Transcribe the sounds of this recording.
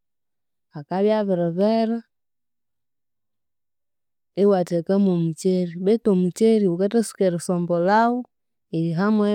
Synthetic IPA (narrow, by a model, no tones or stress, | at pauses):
akaβjaβɛɾɛβɛɾa | iwatekəmomut͡ʃeɾibetomut͡ʃeɾiukətəsu̥keɾsɔmbɔlawu | iɦamwɛ